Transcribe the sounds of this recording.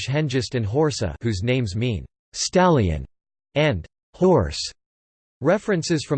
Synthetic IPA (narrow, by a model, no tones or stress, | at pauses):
ʃɦɛ̃nd͡ʒɨstɨ̃nɦɔɹsə̰hʉznẽɪ̃mzmĩn | stælˠiɨ̰̃n | ɨ̃n | hɔɹs | ɹɛfɹɨ̃nsɨz̥fɹʌ̃